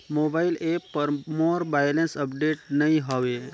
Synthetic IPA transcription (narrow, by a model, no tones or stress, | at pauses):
mobaɪlepːəɾmoːɾbajlensəpɖeːʈnəĩɦɔʋe